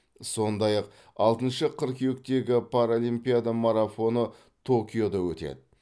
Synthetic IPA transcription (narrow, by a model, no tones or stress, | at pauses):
so̞nd̪ɑjɑq̚ | ɑlˠt̪ənʃəqʰəɾkʲʰewɪk̚t̪e̞ɡʲɪpʰaɾolˠijmpijad̪amaɾafo̞nə | t̪ʰo̞kʲijo̞d̪ɑwɵt̪e̞̰d̪ɪ